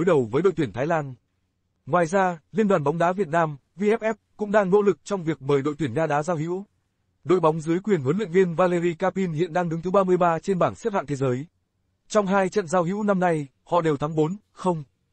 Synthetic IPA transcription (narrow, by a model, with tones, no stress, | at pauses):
o˨˦jɗə˨˩wvəː˨˦jɗo̰˧˨t̪i˧˩ə˩t̪ʰaː˨˦jlaː˧n | ŋwaː˨˩jzaː˧li˧ənɗwaː˨˩nɓa˨˦wŋ͡mɗaː˨˦vi˨˩ət̚naː˧m | vi˧ʔɛ˦˥p̚ʔɛ˦˥p̚kʊ̰˧˥ŋ͡mɗaː˧ŋno̰˧˥lɨ˨˩k̚t͡ɕɔ˧wŋ͡mvi˨˩ək̚məː˨˩jɗo̰˧˨jt̪wi˧˩ə˩ŋaː˧ɗaː˨˦zaː˧whḭ˧˥w | ɗo̰˧˨jɓa˨˦wŋ͡mzɨ˨˦əjkwi˨˩ənhu˨˦nlḭ˧˨ŋvi˧ənvaː˧le˧ɣi˧kaː˧pi˧nhḭ˧˨ənɗaː˧ŋɗɨ˨˦ŋt̪ɨ˨˦ɓaː˧mɨ˧əjɓaː˧t͡ɕe˧nɓaː˧˩nsp̚ha̰˧˨t̪e˨˦zəː˨˦j | t͡ɕɔ˧wŋ͡mɦaː˧jt͡ɕə̰˧˨nzaː˧wɦḭ˧˥wna˧mna˧j | hɔ̰˧˨ɗe˨˩wt̪ʰa˨˦ŋɓo˨˦n | xə˧wŋ͡m